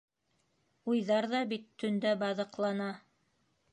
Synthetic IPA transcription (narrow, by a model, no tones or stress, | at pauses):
ujðɑɾðɑbit̪ʰːɵ̆nd̪æbɑðɤ̆qlˠɑnɑ